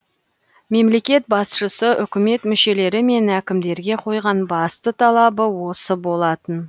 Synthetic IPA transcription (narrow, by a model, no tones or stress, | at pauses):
me̞mle̞kʲe̞t̪̚bɑsʃəsəʔʏkʲɪme̞t̪mʏʃe̞le̞ɾɪme̞nækʲɪmd̪e̞ɾɡʲe̞qʰo̞jʁɑnbɑst̪ət̪ʰɑlˠɑbəwo̞səbo̞lˠɑt̪ən